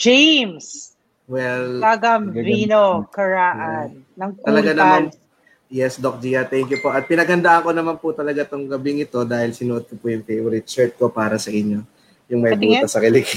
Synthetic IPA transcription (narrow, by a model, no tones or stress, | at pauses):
d͡ʒems | wɛlaɡɐmviːnokɐɹaːʔɐnːɐŋt̪ɐlɐɡanɐman | jɛsd̪ok̚d͡ʒiːjɐt̪ɛŋkjʊpo̞ʔɐt̪̚pɪnɐɡhɐnd̪aʔɐŋko̞nɐmanpʊt̪ɐlɐɡat̪oŋɡɐbɪŋɪt̪o̞d̪aːhɪlsɪnʊʔod̪̚kopujʊŋt̪ejʔʊɾɪt̪sɛɹt̪̚ko̞paːɾɐsɐʔɪɲːo̞ | jʊŋmɐjbuːt̪ɐsɐkɐlɪk